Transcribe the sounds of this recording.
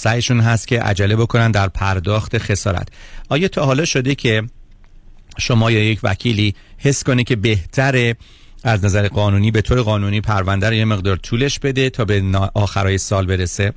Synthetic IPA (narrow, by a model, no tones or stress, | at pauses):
sæjeʃunɦæst̪̚cʰʲe̞ʔæ̰d͡ʒælːebo̞kʰo̞nænd̪æɾpʰæɾd̪ɒːxt̪ʰe̞xe̞sɒːɾæ̰t̪ʰʔɒːjɒːt̪ʰɒːɦɒːlɒːʃo̞d̪e̞cʰe̞ | ʃo̞mɒːjɒːjecʰvæ̰cʰiːliː | he̞sko̞ne̞cʰe̞be̞ht̪ʰæɾe | æznæzæɾeɢɒːnuːniːbe̞t̪ʰoːɾeɣɒːnuːniːpʰæɾvænd̪æɾoje̞me̞ɣd̪ɒːɾt̪ʰuːle̞ʃb̥e̞d̪e̞t̪ʰɒːbenʔɒːxæɾɒːjesɒːlbe̞ɾese